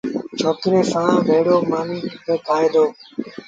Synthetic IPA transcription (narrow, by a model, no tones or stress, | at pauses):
t͡ʃʰoːt̪ɾeːsãːʋʱeːɽoːmaːniːkeːt̪aːeːd̪oː